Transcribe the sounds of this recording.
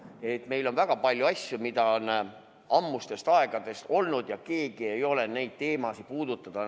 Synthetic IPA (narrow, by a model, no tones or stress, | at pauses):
e̞t̪ːˑme̞jlo̞nvæɡ̥ɑpɑlʲjuɑsʲjumid̪̥ɑo̞n | ɑmːust̪e̞st̪ɑe̞ɡ̥ɑd̪̥e̞st̪o̞lnud̪̥jɑke̞ːɡie̞jo̞le̞ne̞jd̪̥̚t̪e̞ːmɑsipuːd̪̥ut̪ːˑɑd̪̥ɑ